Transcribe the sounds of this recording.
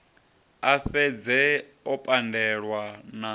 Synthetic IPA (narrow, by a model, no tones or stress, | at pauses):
aɸɛd͡zɛɔpʼandɛɺwana